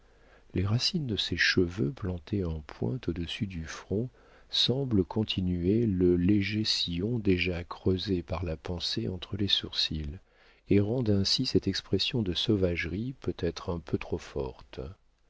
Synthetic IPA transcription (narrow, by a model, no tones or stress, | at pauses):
leʁasind̪əseʃəvøplɑ̃t̪ʰeɑ̃pwɛ̰̃t̪od̪əsyd̪yfχɔ̃ | sɑ̃bləkʰɔ̃t̪ʰinyeləleʒesijɔ̃d̪eʒakχøzepaʁlapɑ̃seɑ̃t̪χəlesuʁsil | eʁɑ̃d̪ɛ̃sisɛt̪ɛkspχɛsjɔ̃d̪əsɔvaʒʁipøt̪ɛt̪χɛ̃pʰøt̪χofɔ̰ʁt̪